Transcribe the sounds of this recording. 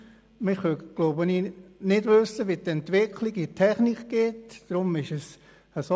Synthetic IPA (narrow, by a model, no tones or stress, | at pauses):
mɪχʋøɡ̥loʊbəniːnɪdʋøsəʋitɛntʋɪkʰliɡitʰɛχnikɡ̥eːtd̥ɾʊmɪʃəs | əso